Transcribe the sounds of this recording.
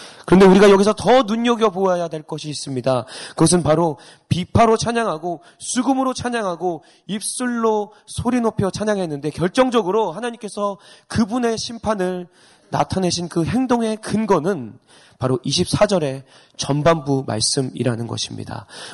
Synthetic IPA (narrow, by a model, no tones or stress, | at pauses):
kɯɾʌnde̞uɾiɡajʌɡis̬ʰʌtʌnuɲʌɡjʌboajadwe̞ɭk͈ʌɕʰiːs͈ɯmɲidakɯɡʌs̬ʰɯnpaɾo | pipʰaɾot͡ɕʰaɲaŋɦaɡo | sʰuɡɯmɯɾot͡ɕʰaɲaŋɦaɡo | ip̚s͈uɭːo | sʰoɾinopʰjʌt͡ɕʰaɲaŋɦe̞nːɯnde̞kjʌɭt͡ɕ͈ʌŋd͡ʑʌɡɯɾohanaɲimk͈e̞sʰʌkɯbune̞ɕʰimpʰanɯɭ | na̰tʰane̞ɕʰinkɯɦe̞ŋdoŋe̞kɯnɡʌnɯn | paɾoʔiɕʰip̚s͈ʰad͡ʑʌɾe̞ | t͡ɕʌnbambuma̰ɭs͈ɯmḭɾanɯnɡʌ̰ɕʰi̥mɲḭda̰